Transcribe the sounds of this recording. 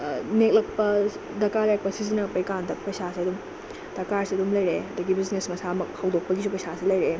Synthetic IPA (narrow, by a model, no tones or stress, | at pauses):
nek̚lɐk̚pɐ | dɐkalɐjak̚pɐsizinɐk̚pɐjkandɐpɐjsasiɐdum | d̥ɐkaɾsiɐdumlɐjɾeɐdɐɡibiznesmɐsamɐk̚hɐwdok̚pɐɡisupɐjsasilɐjɾe